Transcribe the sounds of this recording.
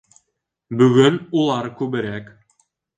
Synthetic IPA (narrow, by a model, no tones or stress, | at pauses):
bɵɡɵnulˠɑɾkʉbɘ̆ɾæk